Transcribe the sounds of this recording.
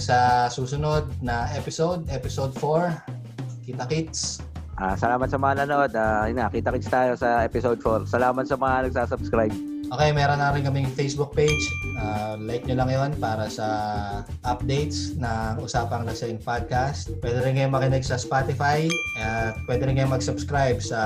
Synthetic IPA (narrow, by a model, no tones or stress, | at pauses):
sɐsuːsʊno̞d̪̚nɐʔɛpɪso̞wd̪ʔɛpɪsod̪foɹ | kɪt̪ɐkɪt̪s | ʔaːsɐlaːmɐt̪̚sɐmɐŋanɐnoʔod̪aɪnakɪt̪ɐkɪt̪st̪aːjosɐʔɛːpɪsowd̪̚foɹsɐlaːmɐt̪sɐmɐŋɐnɐɡ̚saːsɐbskɾajb̚ʔoːkɛjmɛːɾonːaːɾɪnkɐmɪjfejsbʊk̚pejd͡ʒʔaːlajk̚ɲʊlɐŋjonpaːɾɐsɐ | ʔɐp̚d̪ejt̪snɐkɐʔʊsaːpɐŋlɐʃɐjɪŋpad̪̚kast̪̚pwɛːd̪ɛɾɪnkɐjoŋmɐkɪnɛɡsɐspat̪ɪfajʔɛt̪̚pwɛd̪ɛɾɪnkɐjomɐɡsʊbskɾajbsɐ